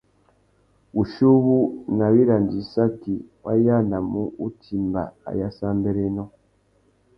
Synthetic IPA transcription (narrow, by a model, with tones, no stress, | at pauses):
βu˨ʃu˦βu˦na˨βi˦ɾa˨nɟi˨sa˦ki˨wa˦ja˦˨na˨mu˦u˦tʰi˨mba̰˨a̰˨ja˦sa˦mbe˦ɾe˦no˦